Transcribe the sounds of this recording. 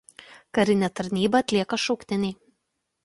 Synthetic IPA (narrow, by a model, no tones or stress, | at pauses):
kɐɾʲɪnʲɛt̪ɐɾʲnʲiːbɐːt̪ʲlʲiɛkɐʃɔʊkt̪ʲɪnʲɛɪ